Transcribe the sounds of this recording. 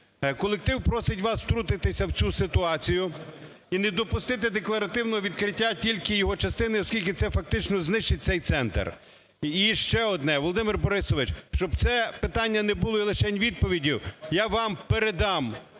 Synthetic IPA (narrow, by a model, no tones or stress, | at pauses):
kɔlˠek̚t̪ɪwpɾɔsɪtʲʋɑswt̪ɾut̪ɪt̪ɪsʲɐwt͡sʲusɪt̪ʊɑt͡sʲijʊ | inɛd̪ɔpʊst̪ɪt̪̬ɪd̪eklˠɐɾɐt̪ɪwnɔɦɔʋʲid̪kɾɪtʲːatʲilʲkɪjɔɦɔt͡ʃɐst̪ɪnɪiɔskʲilʲkʲɪt̪sɛfɐk̚t̪ɪt͡ʃnɔznɪʃt͡ʃɪt̚ʲtsɛjt̪sɛnt̪ḛr | iʃt͡ʃɛɔd̪nɛʋɔlˠɔd̪ɪmɪrbɔɾɪsɔʋɪt͡ʃʃt͡ʃɔbt̪sɛpɪt̪ɑnʲːɐnɛbʊlˠɔilˠɪʃɛnʲʋʲid̪̚pɔʋʲidʲiwjaʋɑmpeɾed̪ɑm